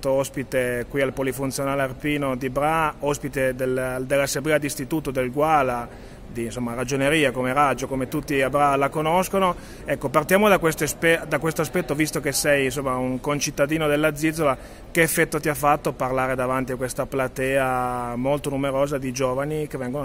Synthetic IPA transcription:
t̪oɔspit̪ekwialpolifunt̪sjonaːlearpiːnod̪ibɾaɔspit̪ed̪eld̪elːasːeblɛːad̪ist̪it̪uːt̪od̪elɡwala | d̪insomːaɾad͡ʒoneɾiːakomeɾad͡ʒokomet̪ut̪ːiabɾalakonoskono | ɛkːopart̪jaːmod̪akwest̪oespɛd̪akwest̪oaspɛt̪ːovist̪okesɛjins̬omːauŋkont͡ʃit̪ːad̪iːnod̪elːad̪zːid̪zova | keːfːɛt̪ːot̪iafːat̪ːoparlaːɾed̪avant̪iakwest̪aplat̪ɛːamolt̪onumeɾoːzad̪id͡ʒoːvanikevɛŋɡono

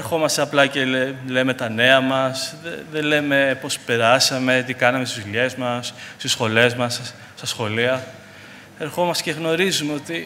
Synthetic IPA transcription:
eɾxo̞mɐst̪eɐplɐcele̞me̞t̪ɐne̞ɐmɐsðeðe̞le̞me̞po̞spe̞ɾɐsɐme̞t̪ikɐnɐmest̪izʎe̞zmɐsst̪isxo̞le̞zmɐs | st̪ɐsxo̞liɐ | e̞ɾxo̞mɐst̪eceɣno̞ɾizumeo̞t̪i

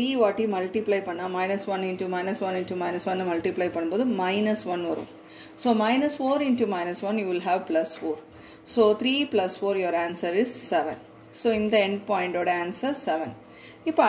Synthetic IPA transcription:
iːʋaːʈːimɐlʈiplaɪpɐɳːãːmɐɪnɐsʋɐnɪ̃nʈumɐɪnɐsʋɐ̃nɪ̃nʈumɐɪnɐsʋɐ̃nːɨmɐlʈɪplɐɪpɐɳːɯmpoːðɯmɐɪnɐsʋɐnʋɐɾɐ̰ṵ̃m | soːmɐɪnɐsfoːɾɪ̃nʈumɐɪnɐsʋɐ̃njuːʋɪlɦæːʋplɐsfoːɾ | soːt̪ʰɾiːplɐsfoːɾjoɔːɾaːnsɐɾɪsːɛʋɛ̰̃n | soːɪ̃nd̪ɐɛɳɖpɔːɪ̃ɳʈoːɽɐaːnsɐɾsɛʋɛ̃n | ɪpːo

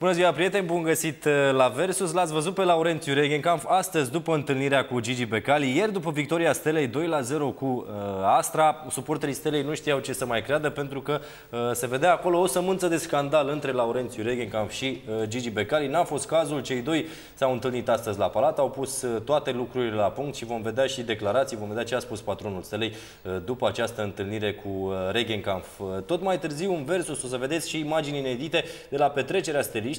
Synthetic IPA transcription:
b̥unəziwapɾije̞t̪e̞nʲbunɡəsit̪lave̞rsuslat̪sʲvəzut̪̚pe̞lauɾe̞nt̪sʲjuɾe̞ɡʲenkamfast̪əzʲd̪upəɨnt̪ɨlniɾeakud͡ʒid͡ʒibe̞kalije̞rd̪upəvik̚t̪o̞ɾiast̪e̞le̞jd̪o̞jlaze̞ɾo̞kuəast̪ɾasupo̞rt̪elist̪elejnuʃt̪ijawt͡ʃe̞səmajkɾead̪əpe̞nt̪ɾukə | se̞ve̞d̪eaːko̞lo̞osəmɨnt̪səd̪e̞skand̪alɨnt̪ɾe̞lauɾe̞nt̪sjuɾeɡʲenkanfʃiəd͡ʒid͡ʒibe̞kaɾinafo̞st̪kazult͡ʃe̞jd̪o̞j | sawɨnt̪ɨlnit̪ast̪əzʲlapalat̪awpust̪ːoat̪e̞lukɾuɾile̞lapuŋkt̪ʃivo̞mve̞d̪eaʃid̪e̞klaɾat̪sijvo̞mve̞d̪ʲat͡ʃeaspuspat̪ɾo̞nulst̪elej | d̪upəat͡ʃast̪əɨnt̪ɨlniɾe̞kʰuɾeɡʲeŋkanft̪o̞t̪majt̪ɨrziwɨnve̞rsuso̞s̬əve̞d̪e̞t̪sʲʃiːmad͡ʒinine̞d̪it̪e̞d̪̥e̞lape̞t̪ɾe̞t͡ʃe̞ɾeast̪eliʃt̪

